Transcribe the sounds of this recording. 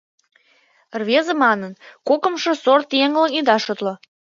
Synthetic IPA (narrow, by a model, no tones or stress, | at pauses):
rβezə̆mɑnənkokə̆mʃə̆sort̪jeŋləŋid̪ɑʃot̪lo